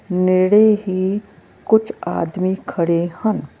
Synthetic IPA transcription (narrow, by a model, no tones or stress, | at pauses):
neɽeɦi | kʊt͡ʃʰa̰ːd̪mikʰɐɽehɐn